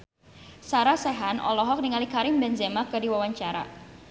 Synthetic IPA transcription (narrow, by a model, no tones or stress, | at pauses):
saɾasɛɦanʔɔ̰lɔɦɔk̚niŋalikaɾɪmbɛnzɛmakədiwawaɲt͡ʃaɾa̰